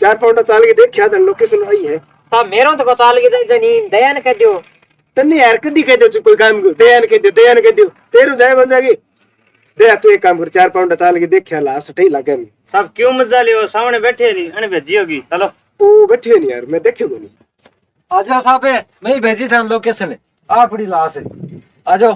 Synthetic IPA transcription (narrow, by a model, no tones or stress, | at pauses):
t͡ʃaːɾpaːʊɳʈaːt͡ʃaːlɡeːd̪eːkʰjaːd̪ənloːkeːsloaːiːɦɛ̃ː | saːbmeːɾõːt̪ʰːkoːt͡ʃaːlɡeːd͡ʒaːid͡ʒaːnĩːd̪əjaːnkeːd̪ɪjoː | t̪ənĩːaːɾkəd̪iːkeːd̪joːt͡ʃukoːiːkaːmɡd̪əjaːnːkeːd̪ɪjoːd̪əjaːnkeːd̪ɪjoː | t̪eːɾõːd͡ʒaːjẽːbənd͡ʒaːɡeː | d̪əjaːt̪ũːeːkːaːmkəɾt͡ʃaːɾpaːʊɳaːt͡ʃaːlɡeːd̪eːkʰjaːlaːsəʈʰəiːlaɡeːmiːsaːb̚kjũːməzaːlɪjoːsaːʋnẽːbeːʈʰeːlĩːəñẽːbʱeːd͡ʒiːoːɡiːtəloː | oːbɛːʈʰiːoːnĩːa̰ːɾmɛ̃ːd̪eːkʰjoːɡoːnḭː | aːd͡ʒoːsaːbeː | meĩːbʱeːd͡ʒiːt̪ʰaːnloːkeːsən | aːpɽiːlaːseː | aːd͡ʒoː